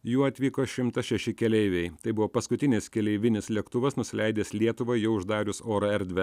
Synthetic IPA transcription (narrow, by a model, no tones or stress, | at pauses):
juːɐt̪ʲʋʲiːkoːʃʲɪmt̪ɐʃʲɛʃʲɪkʲɛlʲɛɪʋʲɛɪt̪ɐɪbʊʋoːpɐskʊt̪ʲɪnʲɪskʲɛlʲɛɪʋʲɪnʲɪslʲɛkt̪ʊʋɐsnʊsʲɪlʲɛɪd̪ʲeːslʲiɛt̪ʊʋɐjjɛʊʊʒd̪ɑːɾʲʊsoːɾɐɛɾʲd̪ʲʋʲɛ